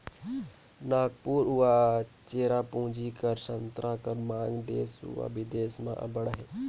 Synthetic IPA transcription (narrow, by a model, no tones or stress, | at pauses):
naːɡpuːɾuat͡ʃeːɾapũɦd͡ʒikəɾsənt̪ɾaːkəɾmãːŋɡd̪eːsṵa̰bid̪eːsmã̰ʔɐ̰bəɽaɦe